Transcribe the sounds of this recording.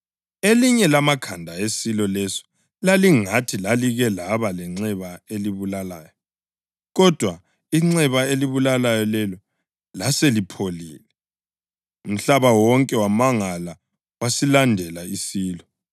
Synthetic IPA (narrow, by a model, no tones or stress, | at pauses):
eliɲɛlamakʰandʱaesilɔlɛsɔ̥ | laliŋatʰilaliɣɛlaβalɛŋ͡ǀɛβaeliβulalaːjɔ | ɣɔd̥ʱwa | iŋ͡ǀɛβaeliβulalajɔlɛlɔ | laselipʰoliːlɛ | um̩ɬaβawɔŋkʼɛwamaŋala | wasilandʱɛlaisiːlɔ